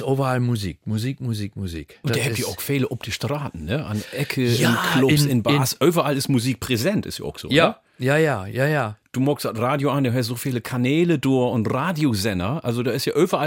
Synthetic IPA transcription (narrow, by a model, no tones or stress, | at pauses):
ʔoːbɐalmuziːk̚muzikmuzikmuzḭkʊnd̥aːhɛjəɔxfeːləʔɔp̚d̥əʃtraːtn̩nəʔa̰nʔɛkʰəɪnkʰlʊsɪnbaːsʔøːbɐalɪsmuziːk̚pʰʁ̥ezɛntɪ̰sja̰ːɔ̰xz̥o̰ːjə | jaːjajaːjad̥uːmɔksatʁaːdjoandɛːhɛs̬z̥oːfiːləkʰanɛːləduːɐʊntraːdjozɛnɐʔalzodaːɪsjaːʔøːbɐa